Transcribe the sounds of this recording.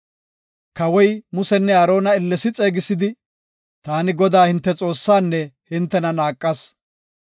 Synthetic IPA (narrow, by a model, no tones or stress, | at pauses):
kɐwɔjmʊsɛnːɛɐɾo̞ːnɐɪlːɛsɪt͡sʼeːɡɪsɪd̪ɪ | t̪aːnɪɡɔd̪aːhɪnt̪ːɛt͡sʼo̞ːsːaːnːɛhɪnt̪ːɛnɐnaːkʼːɐs